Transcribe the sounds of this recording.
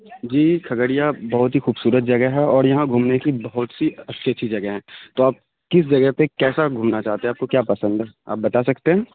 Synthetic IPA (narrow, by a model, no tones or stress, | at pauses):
d͡ʒiːkʰɐɡəɽijabɐɦʊt̪ɦixuːbsuːɾət̪̚d͡ʒɐɡəɦɛɔːɾjɐɦãɡʱuːmnekibɐɦʊt̪siɐtːʃʰiətːʃʰid͡ʒɐɡəɦɛ̃ːt̪oaːp̚ | kɪs̬d͡ʒɐɡəɦpekɛːsaɡʱuːmnat͡ʃaːɦt̪ẽɛ̃aːpkokjaːpɐsə̃nd̪ɦɛːa̰ːp̚bɐt̪asɐkt̪eɦɛ̃ː